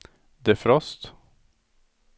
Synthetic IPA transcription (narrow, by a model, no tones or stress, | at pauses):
d̪ɛæfɾɔst̪